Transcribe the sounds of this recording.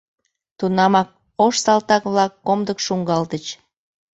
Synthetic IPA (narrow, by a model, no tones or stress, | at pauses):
t̪unɑmɑk̚ | oʃsɑlt̪ɑkβlɑkːomd̪əkʃuŋɡɑld̪ət͡ɕ